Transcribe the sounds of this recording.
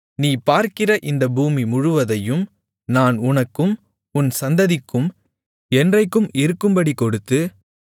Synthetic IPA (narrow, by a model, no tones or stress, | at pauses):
niːpaːɾkɪrɐʔɪnd̪ɐbuːmimʊɻʊʋɐðɐjɯm | naːnʊnɐkːɯm | ʊnsɐnd̪ɐðɪkːɯm | ɛndrɐɪkːɯmɪɾɯkːɯmbɐɽikɔɽɯt̪ːɯ